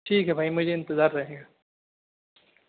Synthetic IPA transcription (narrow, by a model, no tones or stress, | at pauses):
ʈʰiːkɦɛbʱaːimʊd͡ʒʱeɪ̃nt̪ɪzaːɾːɐɦẽːɡaː